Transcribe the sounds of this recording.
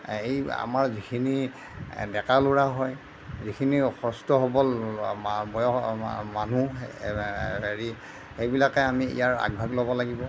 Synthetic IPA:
eja̰maɹzikʰini | dɛkaluɹaɦɔj | zikʰinixʰɔstɔɦɔbɔl | bɔjɔmanu | eɹi | xejbilakɛamiḭjaɹa̰ɡ̚bʱaɡlɔbɔlaɡibɔ

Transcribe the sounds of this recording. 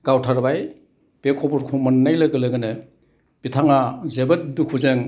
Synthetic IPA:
ɡ̥awtʰaɾbaj | b̥ekʰɔbɔɾkʰumanːajlɐɡɯlɯɡɯnɯ | b̥itʰaŋazebɐt̚dukʰuzeŋ

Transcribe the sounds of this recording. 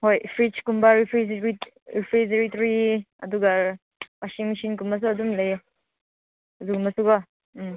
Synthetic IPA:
hojpʰɾit͡ʃkumbaɾipʰɾizɾi | ɾipʰɾizɐɾitɾi | ɐ̰duɡa | wasiŋmisinkumbɐs̬uɐdumlaj | zukumbɐsuɡɔ

